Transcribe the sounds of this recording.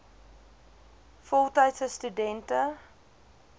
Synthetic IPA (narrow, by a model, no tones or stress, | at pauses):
fɔlˠtɐjtsəstydɛntə